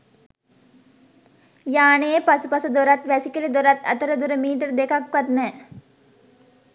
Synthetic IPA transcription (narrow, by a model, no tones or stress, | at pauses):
jaːneːpɐsupɐsɐd̪oɾat̪ʋɛsikelid̪oɾat̪ɐ̰t̪ɐɾɐd̪uɾɐmiːʈ̬əɾd̪ekʰakʋɐt̪nɛː